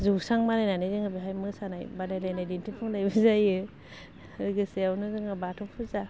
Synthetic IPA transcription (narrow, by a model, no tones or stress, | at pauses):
zusaŋmanajnanajzɯŋabiɦajmɯsanajbadajnajnajdintʰipʰɯŋnajbɯzajɯ | ɾɯɡɯseawnɯzɯŋabatʰɔŋpʰɯza